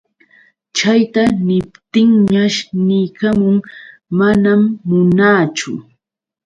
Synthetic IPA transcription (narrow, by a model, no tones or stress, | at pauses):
t͡ʃajt̪anɪpt̪ɪŋɲaʃnɪjkamʊŋmanamːʊnaːt͡ʃʊ̰